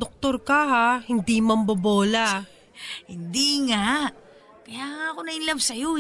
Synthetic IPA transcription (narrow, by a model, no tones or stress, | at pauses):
d̪ok̚t̪oɾkɐɦahɪnd̪imɐmbɐboːla | hɪnd̪iŋaʔ | kɐjaːŋaɐkonɐɪnlɐbsɐjo